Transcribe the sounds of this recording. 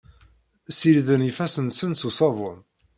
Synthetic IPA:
silðənifæsənsənsusˤɑvʊn

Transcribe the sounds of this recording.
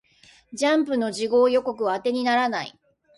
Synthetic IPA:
d͡ʑãmp̬ɯ̟no̞ʑiɡo̞ːjo̞ko̞kɯ̟βaːt̪e̞ɲ̟inaɾanai

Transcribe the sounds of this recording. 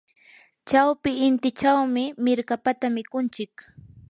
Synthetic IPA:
t͡ʃawpɪːnt̪ɪt͡ʃawmɪmɪɾkapat̪amɪkʊnt͡ʃɪk

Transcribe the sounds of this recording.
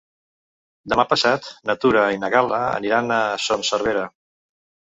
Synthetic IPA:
d̪əmapəsat̪nət̪uɾəinəɣaləə̰niɾanəsonsəɾβ̞eɾə

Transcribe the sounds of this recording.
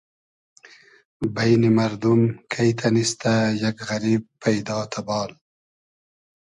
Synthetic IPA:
bajnimɐɾd̪umkʰajt̪ʰanist̪ajɐkɣɐɾiːb̚pʰːajd̪ɑːt̪ʰabɑːl

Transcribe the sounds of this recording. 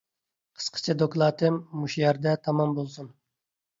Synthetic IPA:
qʰə̥sqʰə̥t͡ʃʰɛd̪oklˠɑːt̪ʰɨmːuʃjɛɾd̪ɛt̪ʰɑmɑmbolˠsun

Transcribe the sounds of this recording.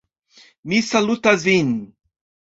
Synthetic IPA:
misalut̪azin

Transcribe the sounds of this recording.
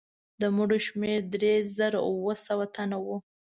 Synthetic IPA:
d̪əmuɽoʃmeɾd̪ɾezəɾa̰wəsawat̪anawu

